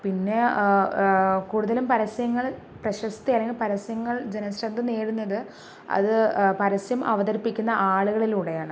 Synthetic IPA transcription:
pinːe̞ | kuːɽuðɐlumpɐɾɐsɐjɐŋːɐɭ | prɐɕɐst̪iɐlːeŋɡilpɐɾɐsjɐŋːɐɭd͡ʑenɐsɾɐnd̪ɨneːɽunːɐðɨ | ɐ̰ðɨpɐɾɐsjɐmʔɐ̰ʋɐðɐɾipːikʲːunːɐʔaːɭuɣɐɭiluːɽe̞jaːɳɨ

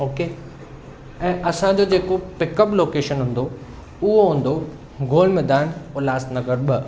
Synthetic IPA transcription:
oːkeː | ɛ̃ːʔɐsãd͡ʑoːd͡ʑeːkopɪkəploːkeːʃənɦʊ̃nd̪o | ʊɦoɦũːn̆d̪o | ɡʱoːlmɛːd̪aːnolaːsnɐɡəɾɓə

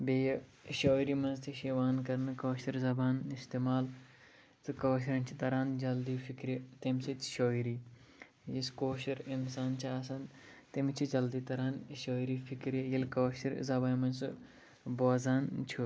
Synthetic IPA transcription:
bejɐʃoːiɾimɐnzt̪ʰiʃiʋaːnkɐɾnɨkoːʃɐɾzɐbaːnist̪eːmaːl | t̪ɨkoːʃ̬iɾɐnt͡ʃʰit̪ɐɾaːnd͡ʒɐld̪iːfikɾjɐt̪emsit̪ʲʰʃoːiɾiː | jiskoːʃɐɾinsaːnt͡ʃʰiaːs̬aːn | t̪emit͡ʃʰid͡ʒɐld̪iːt̪ɐɾaːnʃoːiɾifikɾjɐjilkɐːʃiɾzɐbaːjmɐnsɨ | boːzaːnt͡ʃʰu

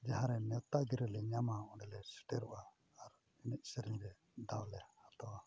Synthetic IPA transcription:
d͡ʒaɦãɾɛnɛwt̪aɡiɾɛlɛɲamaɔɖɛlɛsi̥ʈɛɾuʔaː | ɾ | ɛnɛc̚ˀsəɾiɲɾɛ | d̪awlɛhat̪ɔwa

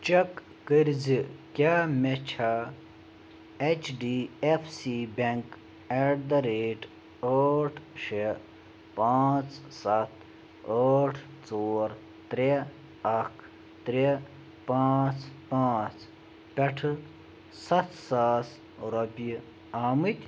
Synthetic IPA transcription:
t͡ʃɐkː | əɾzikʲaːmet͡ɕʰa | et͡ʃʰɖiefʰsibeŋk | eɖd̪ɐɾeːʈ | əːʈʰʂe | paːt͡ssɐt̪ʰ | aːʈʰ | t͡soːɾ | t̪ɾe | ɐkʰ | t̪ɾe | paːt͡spaːt͡s | pʲeʈʰɨ | sɐt̪ʰsaːs | ɾopi | aːmɨt̪ʲ

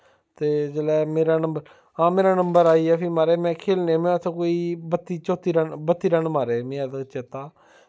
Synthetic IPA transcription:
t̪eːd͡ʒeːlɛːmeːɾaːnəmbəɾ | ãːmeːɾaːnəmbəɾaːiːɛːpʰiːmaːɾeːmɛ̃ːkʰeːlneːmɛ̃ːʊt̪ʰẽːkoːiːbət̪ːiːt͡ʃoːt̪iːɾəbət̪ːiːɾənmaːɾeːmĩːɛːd̪t͡ʃet̪ːaː

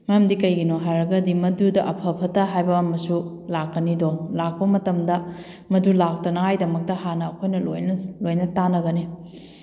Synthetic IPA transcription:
mɐjamdikɐjɡinoɦaɾɐɡɐdimɐdudɐʔɐpʰɐpʰɐtɐɦajbɐːmɐsu | lakːɐnidolak̚pɐmɐtɐmdɐ | mɐdulak̚tɐnɐajdɐmɐk̚tɐhanɐːkʰojnɐlojnɐlojnɐtanɐɡɐni

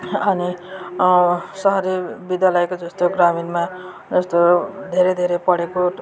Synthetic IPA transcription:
ʌni | sʌɦʌɾibid̪jalʌekod͡zʌst̪oɡraminma | d͡zʌst̪od̪ʱeɾed̪ʱeɾepʌɽeko

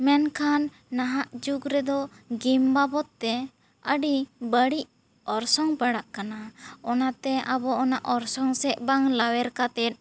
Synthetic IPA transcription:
mɛnkʰanː | aɦaʔd͡ʒuɡɾɛd̪ɔ | ɡimbabɔt̪ːɛ | əɖibəɽiʔ | ɔɾsɔŋpaɽaʔkanaɔnat̪ɛʔabɔʔɔnaʔɔɾsɔŋsɛʔ̚baŋlawɛɾkat̪ɛt̪̚

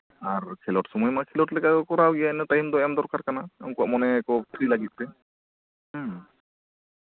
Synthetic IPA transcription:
aɾkʰelɔʈsɔmɔjmakʰelɔʈlɛkakɔkɔɾawɡiaɛnɛtajmd̪ɔamd̪ɔɾkaɾkanaɛŋkuaʔmɔnɛːkɔt̪ʰɾilaɡit̪̚pɛ

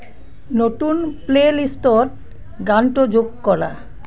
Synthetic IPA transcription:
noʈunplelisʈoɾ | ɡanʈod͡ʑoɡkɔɽa̰

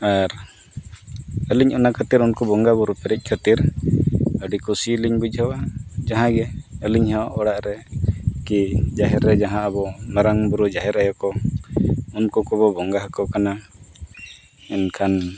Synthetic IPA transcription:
aɾ | əliɲɔnakʰət̪iɾunkubɔŋɡabuɾupɛɾic̚ˀkʰət̪iɾ | əɖikɔsiliɲbud͡ʒɦəwad͡ʒaɦãɡɛəliɲhaʔɔɽaʔɾɛkid͡ʒaɦɛɾːɛd͡ʒaɦãʔəbɔmaɾaŋbuɾud͡ʒaɦɛɾajɔkɔ | unkukɔβɔbɔŋɡaɦəkɔkana | ɛnkʰan

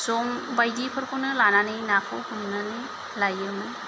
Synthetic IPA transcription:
sɔŋbajdipʰɯɾkʰonɯlananɯjnakʰɔwhumnɯnɯ | lajɯnɯ

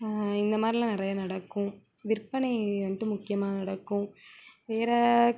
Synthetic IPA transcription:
ɪnd̪ɐmaːd̪ɾilãːnɪɾɐjanɐɽɐkːʊ̃ | ʋɪɾpɐɳiʋɐnʈːɯmʊkːɪjɐmaːnɐɽɐkːʊ̃ʋeːɾɐ

